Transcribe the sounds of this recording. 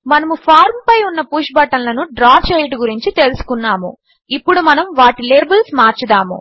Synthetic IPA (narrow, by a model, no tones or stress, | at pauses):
mɐnɐmupʰaːɾmpɐjunːɐpuːʃbɐʈːɐnlɐnuɖɾaːt͡ʃejʈuɡuɾiɲt͡ʃit̪e̞lusu̥kunːaːmṵ | ipːuɽumɐnɐmʋaːʈileːɾbɐlsmaːɾt͡ʃud̪aːmṵ